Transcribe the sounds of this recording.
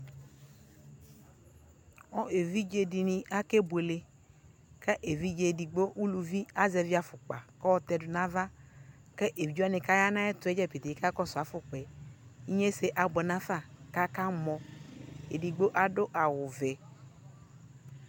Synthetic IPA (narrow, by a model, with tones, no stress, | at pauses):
ɔ˦e˨vi˦d͡ʒe˨di˨nĩ˨ʔa˦ke˦be˨le˨ | kɛ˦ʔe˨vi˦d͡ʒe˨di˨ɡ͡bo˦ʔu˦lu˨vi˦a˦zɛ˨vi˦a˨fʊ˨k͡pa̰˨kɛ˦wɔ˦t̪ɛ˨dʊ˨nã˦va˦ | kɛ˦ʔe˨d͡ʒu˦a˦nɪ̃˨ka˦ja˦nã˦ɛ˦t̪ʊ˨˦ɛ˦d͡ʒɛ˦pe˨t̪e˨i˦ka˦kɔ˦sʊ˨a˨fʊ˦k͡pɛ˨i˦ɲe˦se˨ʔa˨ɡ͡bɛ˨nã˦fa˦˨ka˦ka˦mɔ̃˨ḛ˨di˨ɡ͡bo˦ʔa˨do˦ʔa˨wʊ˨vɛ˨